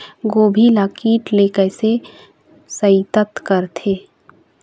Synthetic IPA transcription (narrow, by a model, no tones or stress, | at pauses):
ɡoːbʱilaːkiːʈleːkəse | səit̪ət̪kəɾt̪ʰeː